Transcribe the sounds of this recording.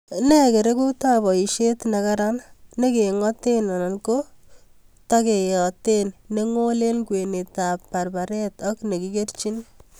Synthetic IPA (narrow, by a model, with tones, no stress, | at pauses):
ne˦ke˨ɾe˦ku˦ta˦bɔ˨i˨ʃe˦tna˨ka˦ɾa˦nne˦ke˨ŋɔ˦te˦na˨na˨nko˦ | ta˦ke˨jɔ˨te˦nne˦ŋo˦le˦lkwe˨ne˨tapːa˨rba˨ɾe˦tɔ˦kne˨ki˦ke˦rt͡ʃi˦n